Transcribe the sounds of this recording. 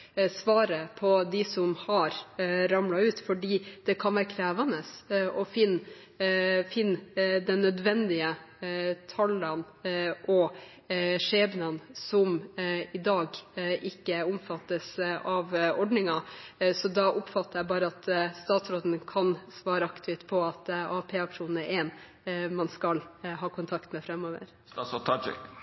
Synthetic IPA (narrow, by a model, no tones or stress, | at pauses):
sʋɑːɾəpʰɔd̪ɪsɔmhɑɾɾɑmlɑʉːt̪fɔɖiːd̪̥ɛkʰɑnʋæːɾəkʰɾæːʋɑnəsɔfɪn | fɪnːd̪ɛnːœd̪ʋɛnd̪ɪə | t̪ʰɑlən | ʔɔ | ʂeːbnənsɔmɪd̪ɑːɡʔɪkːəʊmfɑt̪ːəsʔɑʋɔɖnɪŋɑsɔd̪ɑʔʊpfɑt̪ːəɾjæbɑːɾəɑt̪st̪ɑːt̪sɾoːd̪ən̩kʰɑnsʋɑːɾəɑkt̪ʰɪt̪pʰɔɑt̪ɑːpʰeːɑkʂuːnn̩æɾʔɛːn | mɑnskɑlhɑːkʰʊnt̪ʰɑkt̪mɛfɾɛmːoːʋə̰ɾ | sɔt̪ʰɑd͡ʒɪ̰k